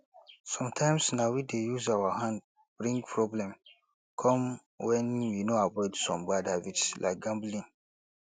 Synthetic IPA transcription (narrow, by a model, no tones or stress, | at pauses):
sɔ̃mtʰãɪ̃msnawidejuzawaɦãnd̚ | b̥ɹĩŋɡpʰɹɔblɛ̃m | kʰɔ̃m | wɛ̃njunoabɔɪdsɔ̰̃mbadavitlʔa̰ɪk̚ɡãmblĩn